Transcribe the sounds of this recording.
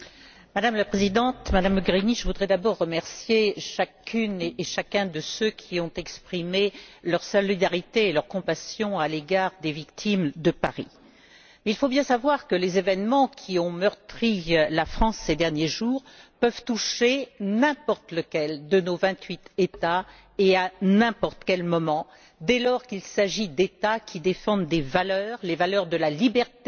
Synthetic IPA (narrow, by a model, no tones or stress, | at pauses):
mad̪amlapχezid̪ɑ̃t̪mad̪aməɡʁiniʒəvud̪ʁɛd̪abɔʁːəmɛʁsjeʃakyneʃakʲɛ̃d̪əsøkʲʰiɔ̃t̪ɛkspχimelœʁsɔlid̪aʁit̪eːlœʁkɔ̃pasjɔ̃aleɡaʁd̪evikt̪ʰimd̪əpa̰ʁḭ | mɛilfobjɛ̃savwaʁkəlezevɛnmɑ̃kʲʰiɔ̃mœʁt̪χilafχɑ̃sːed̪ɛʁnjeʒuːʁ | pœvt̪uʃenɛ̃pɔʁt̪ləkʲɛld̪ənovɛ̃t̪ɥit̪et̪a | eanɛ̃pɔʁt̪kʲɛlmɔmɑ̃ | d̪ɛlɔʁkilsaʒid̪et̪akʲʰid̪efɑ̃d̪d̪evalœːʁlevalœʁd̪əlalibɛʁt̪e